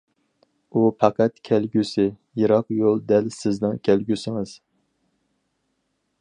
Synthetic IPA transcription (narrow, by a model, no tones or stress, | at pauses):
upʰɑqʰɛt̪kʲʰɛlɡʲysɪ | jiɾɑqjolˠd̪ɛlsɪznɪŋkʲʰælɡʲysɪŋɨz̥